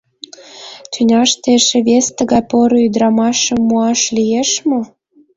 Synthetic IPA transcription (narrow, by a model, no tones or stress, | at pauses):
t̪ʰynʲɑʃt̪eʃĕβʲest̪ə̆ɣɑjpoɾoyd̪ɾɑmɑʃə̆mːuɑʃlijeʃmɤ̆